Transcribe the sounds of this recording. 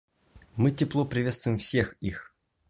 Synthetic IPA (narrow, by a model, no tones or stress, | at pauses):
mɨtʲɪplˠopɾʲɪvʲest̪vʊjɪmfsʲe̞xix